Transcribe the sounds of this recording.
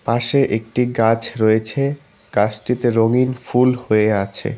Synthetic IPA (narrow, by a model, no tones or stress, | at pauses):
paʃeʔek̚ʈiɡat͡ɕʰɾoet͡ɕʰe | ɡ̥at͡ɕʈit̪eɾoŋinfulhoeat͡ɕʰḛ